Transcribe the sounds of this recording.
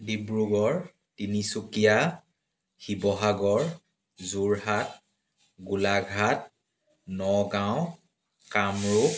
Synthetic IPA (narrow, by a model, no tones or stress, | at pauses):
dibɹuɡɔɹ | tinisukija | xibɔɦaɡɔɹ | zuɹhat̚ | ɡulaɡʱat̚ | nɔɡaʊ̃ | kamɹu